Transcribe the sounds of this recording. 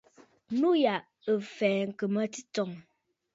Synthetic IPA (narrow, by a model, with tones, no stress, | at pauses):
nu˦ja˨ʔ | ə˨fɛː˨ŋ̩˨kə˨mə˦ti˦tɔ˨ŋ